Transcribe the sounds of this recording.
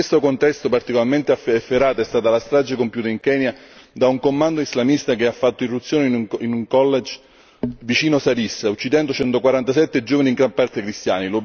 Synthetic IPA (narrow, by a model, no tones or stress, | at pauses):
st̪okont̪ɛst̪opart̪ikolarment̪eaɛfːeɾaːt̪oɛst̪aːt̪alast̪ɾad͡ʒekompjuːt̪aiŋkɛːnjad̪auŋkomːand̪oizlamist̪akeafːat̪ːoirːut̪sːjoːneinuŋkɔlːed͡ʒ | vit͡ʃiːnosaɾisaut͡ʃːid̪ɛnd̪ot͡ʃɛnt̪okwaɾant̪asɛt̪ːed͡ʒoːvaniːŋɡɾampart̪ekɾist̪jaːnilo